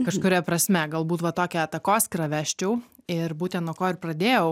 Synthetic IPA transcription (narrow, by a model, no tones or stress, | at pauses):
kɐʃkʊɾʲɛpɾɐsʲmʲɛɡɐlˠbuːt̪ʋɐt̪oːkʲɛɐt̪ɐkoːskɾɐʋʲæːʃʲt͡ʃʲɛʊɪrbuːt̪ʲɛ̃nt̪nuɔkoːɪrpɾɐd̪ʲeːjɛʊ